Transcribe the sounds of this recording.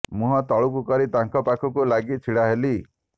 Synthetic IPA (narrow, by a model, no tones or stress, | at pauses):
mũɦɔt̪ɔɭuk̬ukɔɾit̪aŋkɔpakʰɔkulaɡit͡ʃʰiɽaɦeli